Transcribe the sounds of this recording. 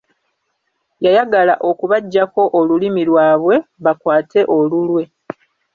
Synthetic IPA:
jajaɡala̰ʔo̞kuβaɟːako̞ʔolulimilwaːβwe̞βakwaːte̞ʔo̞lulwe̞

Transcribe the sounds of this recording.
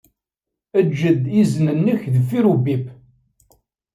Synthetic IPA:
əd͡ʒːəd̪iznənːəçðəfːiɾubip

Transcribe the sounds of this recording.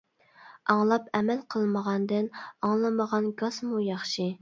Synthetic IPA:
ɑŋlˠɑpʰɛmɛlqʰəlˠməʁɑnd̪ɨnɑŋlˠɨməʁɑnɡɑsmujɑχʃi

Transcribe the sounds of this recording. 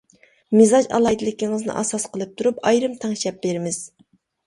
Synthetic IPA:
mɪzɑd͡ʒɑ̰lˠɑjd̪ɪlɪkʲiŋɨznɨ̰ʔɑ̰sɑsqəlˠɨp̚t̪ʰuɾupɑjɾɨmt̪ʰɑŋʃɛp̚beɾɪmɪz̥

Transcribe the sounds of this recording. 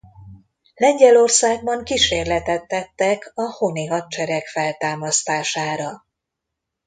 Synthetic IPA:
lɛɲɟɛlo̞rsaːɡ̚bɒŋkiʃeːrlɛt̪ɛt̪ːɛt̪ːɛkɒhoniɦɒt̪̚t͡ʃɛɾɛkfɛlt̪aːmɒst̪aːʃaːɾɒ

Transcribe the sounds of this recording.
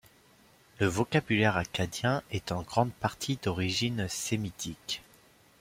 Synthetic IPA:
ləvɔkabylɛʁakad̪jɛ̃ɛt̪ɑ̃ɡʁɑ̃d̪̚paʁt̪ʰid̪ɔʁiʒinsemit̪ʰik

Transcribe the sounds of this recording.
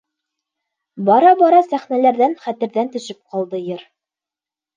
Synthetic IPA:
bɒɾɑbɒɾɑsæχnælæɾðænχæt̪ɘ̆ɾðænt̪ɵ̆ʃɘp̚qɑlˠd̪ɤjɤɾ

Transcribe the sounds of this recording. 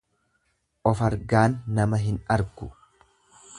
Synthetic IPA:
ʔɔfɐɾɡaːnːɐmɐɦɪnɐɾɡʊ

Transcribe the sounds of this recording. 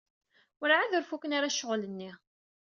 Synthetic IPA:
ʊɾʕaðʊɾfukənaɾaʃːəʁlənːi

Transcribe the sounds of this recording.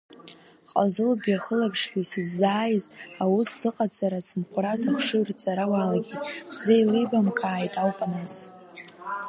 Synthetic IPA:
qʼa̰zɨlbjaχəlapʰʂɡʲᶣisɨzːaːjzawusːɨqʼad͡zʼaɾat͡sʰɨmqʷʼʊɾazaχʰʂɨrt͡sʼaɾawalaɡʲitʼχz̥ejlibamkʰaːjtʼawpʼanas

